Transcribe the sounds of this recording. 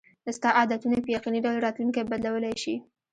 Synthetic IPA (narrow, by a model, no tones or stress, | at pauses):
d̪əst̪ɑʔɑd̪at̪unapəjaqiniɖawlɾɑt̪luŋkajebad̪lawəlajʃi